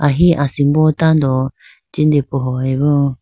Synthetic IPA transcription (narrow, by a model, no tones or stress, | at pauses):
aɦiʔasimbot̪ãnd̪o | t͡ʃind̪epoɦoeβu